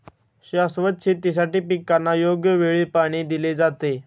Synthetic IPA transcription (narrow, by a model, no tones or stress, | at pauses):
ɕasʋət̪̚t͡ɕʰiːt̪is̬aʈiːpikːanːajoɡjəʋeɭipaɽ̃iːd̪iled͡zat̪e